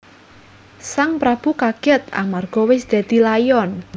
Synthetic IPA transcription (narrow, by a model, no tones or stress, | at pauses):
saŋpɾab̥ukaɡ̥ɛt̪̚a̰marɡ̥ɔ̤wɪsd̪̥e̤d̪̥i̤lajɔn